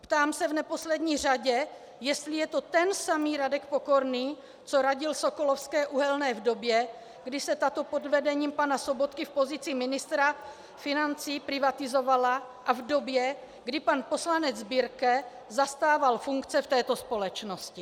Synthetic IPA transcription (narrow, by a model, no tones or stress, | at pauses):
pt̪aːmsɛvnɛpo̞slɛdɲiːr̝aɟɛ | jɛst̪lɪjɛt̪o̞t̪ɛnsamiːɾadɛkpoko̞ɾniː | t͡soɾaɟɪlso̞ko̞lo̞fskɛːʔuɦɛlnɛːvdo̞bjɛ | ɡdɪsɛt̪at̪o̞po̞dvɛdɛɲiːmpanaso̞bo̞t̪kɪfpo̞zɪt͡sɪmɪnɪst̪ɾa | fɪnant͡siːpɾɪvat̪ɪzo̞vala | ʔavdobjɛ | ɡdɪpanpo̞slanɛd͡zzbiːɾkɛ | zast̪aːvalfuŋkt͡sɛft̪ɛːt̪o̞spo̞lɛt͡ʃno̞scɪ